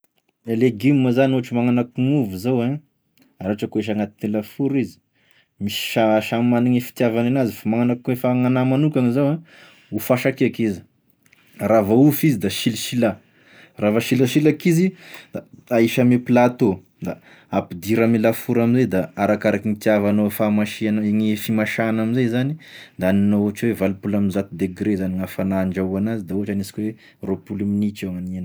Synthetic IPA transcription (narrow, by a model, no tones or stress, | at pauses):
eleɡimːəzanoɦaʈ͡ʂimaŋanakuŋuvuzawã | aɾaʈ͡ʂakoeʃ̬aŋat̪inilafuɾizi̥ | misi̥ʃaʃamaniɲifi̥t̪javananazifamaŋanakkuefaŋanamanukʲaŋizawã | ufaʃakeakizi̥ | ravaufizid̪aʃiliʃila | ravaʃilaʃilakizid̪̥aaiʃameplat̪o | d̪a | apid̪iɾamilafuɾaminzed̪aaɾakaɾakinit̪iavanofamaʃianaeŋifimaʃanaminzezanid̪aaninooat͡ʃwevalpulaminzat̪ud̪eɡɾezaniŋafanaɳɖ͡ʐauanazid̪aoɦaʈ͡ʂanisi̥kʲwe | ropulaminit͡ʃeŋanen